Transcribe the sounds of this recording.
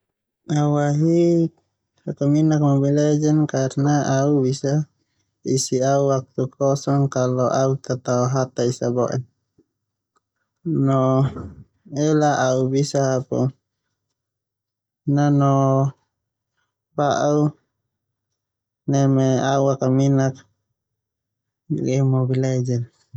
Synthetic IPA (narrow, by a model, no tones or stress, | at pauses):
auwaɦi | akaminak̚mɔbilɛd͡ʒɛnkarnaauβisa | isiauwak̚t̪ukʰɔsɔŋkalɔʔaut̪at̪aɔɦat̪aisabɔʔɛ̰n | nɔ | ɛlaʔaubisaapɔ | nanɔ | baʔu | nɛmɛauakaminak̚ | ɡɛmɔbilɛd͡ʒɛn